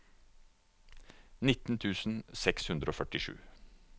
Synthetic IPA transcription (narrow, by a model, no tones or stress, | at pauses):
nɪt̪n̩t̪ʰʉːsn̩sɛkshʉnd̪ɾəoːfœʈɪʂʉ̰ː